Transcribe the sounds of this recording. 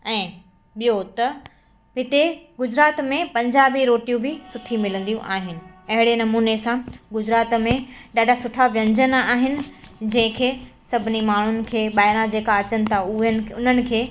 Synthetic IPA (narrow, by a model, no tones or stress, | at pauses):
ɛ̃ː | ɓijot̪ɐ | ɦɪt̪eɡʊd͡ʑɾaːt̪mẽpɐ̃ɲd͡ʑaːbiɾoːʈijũbʱɪsʊʈʰimɪlə̃n̆d̪ijũʔaːɦɪnɪ̆ɐɦɪɽenɐmuːnesãɡʊd͡ʑɾaːt̪mẽɗaːɖʱasʊʈʰaʋjɐ̃ɲd͡ʑənaːɦɪnɪ̆d͡ʑɐ̃ɦɪ̃kʰeːsɐbʱɪnimaːɳ̤ʊnɪ̆kʰeːɓaːjɾ̃ãd͡ʑeːkaɐt͡ɕənɪ̆t̪ʰaʊɦən̆ʊn̤ənɪ̆kʰeː